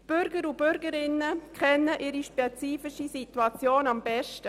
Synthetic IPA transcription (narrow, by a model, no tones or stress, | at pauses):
b̥ʏɾɡəɾub̥ʏɾɡəɾɪnːəkʰχɛnːəʔɪɾiʃpeɛt͡siːfɪʃisituɑt͡sjoːnɑmbɛʃtə